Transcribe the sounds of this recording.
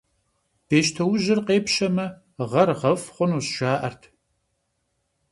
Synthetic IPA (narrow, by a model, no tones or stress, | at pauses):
b̥eːʃtʰɐwʒɪrqeːpʃɐmɐ | ʁɐrʁɐfχʷʊnuːsʒaːʔɐrtʰ